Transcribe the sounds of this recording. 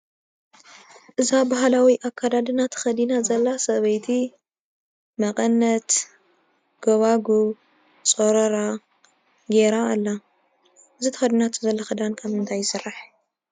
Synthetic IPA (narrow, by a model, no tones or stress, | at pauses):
ʔɨzabaɦlawiʔakʰːad̪ad̪ɨnat̪ʰxɐd̪inazɐlːasɐβɐjt̪ʰi | mɐqʼɐnːɐt̪ | ɡ̥ɐβaɡu | t͡sʼoɾɐɾa | ɡeɾaːlːa | ʔɨzit̪ʰɐ̥xɐd̪unat̪ʰzɐlːaxɨd̪ankʰɐmɨnt̪ʰajːɪsɨrːaħ